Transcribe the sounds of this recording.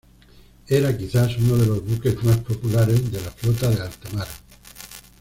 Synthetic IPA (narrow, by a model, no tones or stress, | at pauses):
eɾakiθasunoð̞e̞lo̞zβuke̞zmaspo̞pulaɾe̞zðe̞laflot̪aðe̞alt̪amaɾa